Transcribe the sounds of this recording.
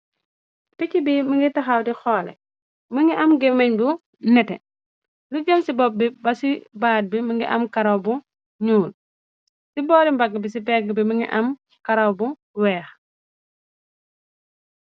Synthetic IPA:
picibiməŋɡitɐxawdixɔːlɛ̰ | mɐŋɡiʔɐmɡɛmɐɲbu | nɛtɛ̰ | luɟɐmsibɔp̚ːibɐsibaːd̚biməŋɡiʔɐ̰mkɐɾɐwbu | ɲuːl | sibɔːɾimbɐɡəbis̬ibɛɡbiməŋɡḭʔɐm | kɐɾɐwbu | wɛːx

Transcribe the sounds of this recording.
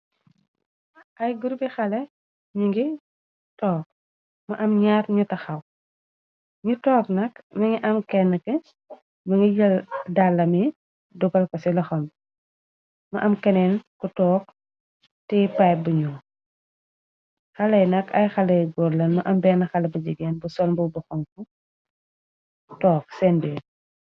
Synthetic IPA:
ʔɐjɡuɾbixɐlɛ | ɲuŋɡi | tɔːk̚ | mɐʔɐmɲaɾɲutɐxɐw | ɲutɔːknɐkmɐŋiʔɐmkɛnːəkɛ | mɐŋijɐldalːɐmi | duɡɐlkɔsilɐxɐn | mɐʔɐmkɛnɛnkɔtɔːk̚ | tɛpajbuɲu | xɐlɐjnɐkʰɐjxɐlɐjɡɔɾlɐnmɐʔɐmbɛnɐxɐlɐbɐd͡ʒiɡɛːnbusɔnbubɔxɔŋku | tɔːk̚sɛnbɛː

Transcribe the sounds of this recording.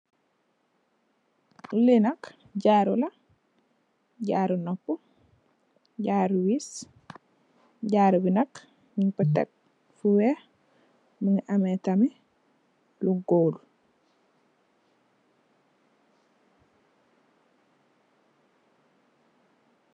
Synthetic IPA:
ulinɐk | ɟaːɾulɐ | ɟaːɾunɔpːu | ɟaːɾwis | ɟaːɾubinɐk | miŋpətɛ̰k̚ | fuwɛ | məŋʔamɛtɐmi | luɡoːl

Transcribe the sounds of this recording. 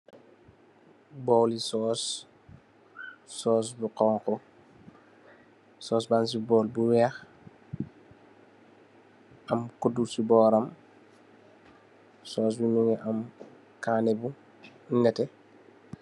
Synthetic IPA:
bɔlisɔːs | ɔːs̬buqɔːŋkɔ | sɔːsbans̬ibɔːlbuwɛx | ɐmkudusibɔːɾɐm | sɔːs̬binuŋɛʔɐm | kaːnɛbu | ŋɡɛtɛ

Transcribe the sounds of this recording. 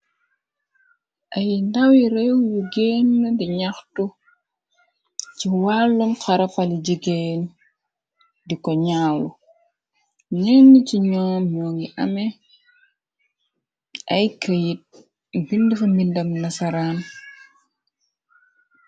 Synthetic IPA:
ʔɐjndɐwiɾɛwjuɡenːədiɲaxtu | ciwalːumkɐɾɐfɐlid͡ʒiɡen | dikɔɲaːlu | nɛnːəciɲɔːmɲɔːŋɡiʔɐmɛ | ʔɐjkəjit̚ | bindufɐmbindɐmnɐsɐɾaːn

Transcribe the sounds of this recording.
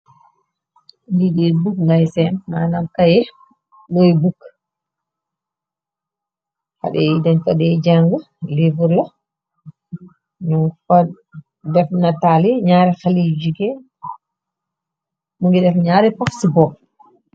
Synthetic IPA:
ndiɗibukŋɡajsɛnna̰namkajɛ | nɔjbukː | ha̰ɗɛidaɲfadɛd͡ʒaŋɡə | livuɾlɔ | ɲuŋfa | dɛfnataliɲaːɾɛxalid͡ʒuɡɛ | muŋɡidɛfɲaːɾɛpafsibɔ

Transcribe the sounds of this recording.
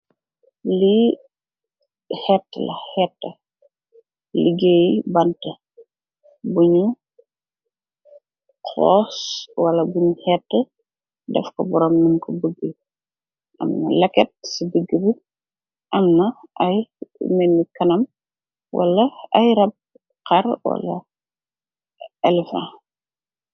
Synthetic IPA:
li | hɛtːə̰lɐhɛtːɐ | liɡeːjibɐntɐ | buɲu | kʰɔ̰ːswɐlɐbuɲuhɛtːə | dɛ̰fkɔbɔɾɔmːɐnkɔbəɡːə | ʔɐ̰mnɐ̰lɛkɛt̚sibəɡːəbi | ʔɐmnɐɐjmɛnːikɐnɐm | wʔɐ̰lːɐɐjɾɐb̚ | kɐrwɐ̰lɐ̰ | ɛlɛfã̰

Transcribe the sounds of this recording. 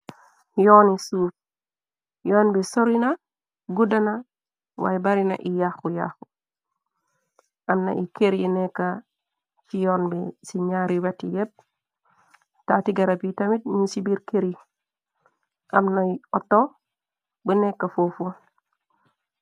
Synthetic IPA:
joːnisuːf | joːnbesoɾina | ɡudana | wa̰jbaɾina̰ʔijaxuja̰xu | amna̰ʔikeɾinekːa | t͡ʃijonbesiɲaɾiwatːijeb̚ | tatiɡaɾapitamit̚ɲusibiɾkeɾi | ʔamnaiɔtːo | bənekːafofu

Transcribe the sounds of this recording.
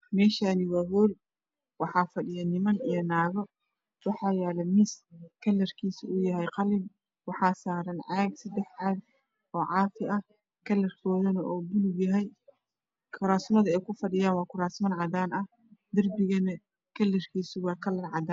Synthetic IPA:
mɛːʃaːnɪwɑːɣɔːl | wɑħɑːfɐɗɪjɐnɪmɐnijɞnaːɣɔ | wɑħɑːjɛːlɐmɪskʰɐlːɐrkʰiːsʊʊjɐɦɛjqɑlɪm | wɑħɑːsaːɾɐnʕɑɡsɐd̪ɛħʕaːd | ɔːʕɑːfɪʔɐh | kʰɐlɐrkʰɔːðɐnɐʔɔːbʊlʊɡjɐɦɛj | kʰʊɾaːsmɐðɐɛjkʰʊfɐɗɪjaːnwɑːkʰʊɾaːsmɐnʕɑd̪aːnɐh | d̪ɐrbɪɣɐnɐ | kʰɐlːɐrkʰiːsʊwɑːkʰɐlɐnʕɑd̪aːn

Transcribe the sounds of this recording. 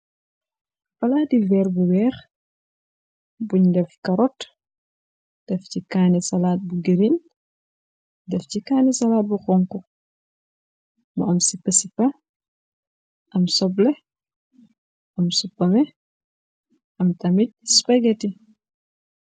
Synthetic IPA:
faladivɛːɾbuwɛːx | buɲdɛfkaɾɔt | d̥ɛfcikanisalaːt̚buɡeɾin | dɛfcikaːnisalaːt̚buxɔŋku | mɔɐmsipːəsipa | ʔɐmsɔblɛ | ʔɐmsupːamɛ | ʔɐmtamit̚spaɡɛti

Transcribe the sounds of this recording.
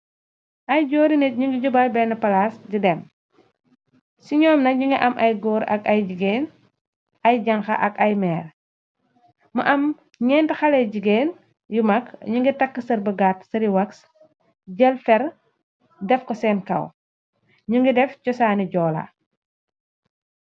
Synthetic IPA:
ʔɐjɟɔːɾinɛt̚ɲuŋɡiɟubɐlbɛnɐpɐlasɟidɛm | siɲɔːmnɐɲuŋɡiʔɐmʔɐjɡɔːɾɐ̰kɐjɟiɡeːn | ɐjɟɐŋxɐ̰ʔɐkɐjmɛːɾ | mɐʔɐm | ɲɛntixɐlɛɟiɡeːn | jumɐkɲuŋɡitɐkːəsɐɾbəɡaːtsɐɾiwɐks | ɟɐlfɛɾ | dɛfkɔsɛːnkɐ̰w | ɲuŋɡidɛft͡ʃɔsaːniɟɔːlɐ̰

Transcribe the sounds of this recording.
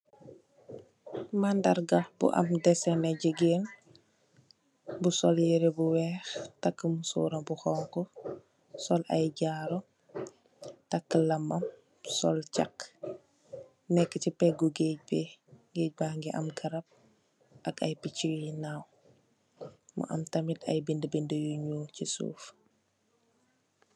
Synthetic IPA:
mandɐɾɡabṵʔɐ̰mdɛsɛnɛɟəɡeːn | busɔljiɾebuwɛxtakːəmusṵːɾɐmbuxɔːŋkɔ | sɔlɐ̰jɟaːɾɔ | takːəlɐmɐm | sɔlca̰kː | nɛkːəcipɛɡuɡeɟ̚beŋɡec̚baːŋɡiʔɐ̰mɡɐɾɐp̚ | ʔɐkɐjpiciwinaw | mṵʔɐ̰mtɐmitɐ̰jbindəbindəjuɲucisṵːf

